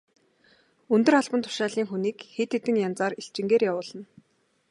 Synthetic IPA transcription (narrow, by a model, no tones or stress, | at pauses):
ɵnt̪ɵ̆rχaɮpə̆nt̪ʰʊ̥ʃaːɮiːŋxuniːkxet̪et̪ɘ̆ŋjant͡saːriɬt͡ɕɪ̆ŋɡeːrjawʊːɮə̆n